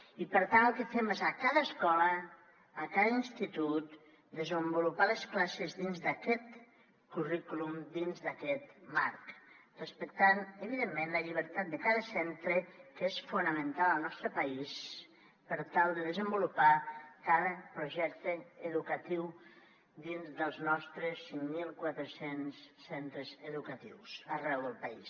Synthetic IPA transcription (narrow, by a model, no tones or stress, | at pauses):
ipəɾt̪anəlˠkəfemezakaðəːskɔləː | kaðəinst̪it̪ut̪ | d̪əzəmbulupaləsklasezðinzd̪akɛt̪ | kurikulumd̪inzðəkɛt̪ma̰ɾkrəspək̚t̪anəβiðemːẽnləʎiβ̞əɾt̪at̪̚d̪əkaðəsɛnt̪ɾəkesfunəmə̃nt̪aləlˠnɔst̪ɾəpais | pəɾt̪alˠd̪əðəzəmbulupakaðəpɾuʒɛk̚t̪əːðukat̪iw | d̪inzd̪əlˠznɔst̪ɾəsːiŋmilˠkwat̪ɾəsensːɛnt̪ɾəzəðukat̪ḭwsərɛwðəlˠpaḭs